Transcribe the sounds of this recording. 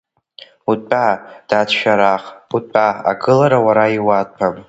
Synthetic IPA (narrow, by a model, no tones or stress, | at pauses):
utʼpʼad̥atʰʃᶣaɾaχutʼaa̰ɡɨlaɾawaɾaiwat̚ʼpʰam